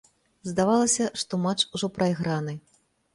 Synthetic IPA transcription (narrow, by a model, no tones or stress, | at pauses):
zd̪avalˠɐsʲɐʂt̪ɔmat͡ʂuʐɔpɾʔajɣɾanɨ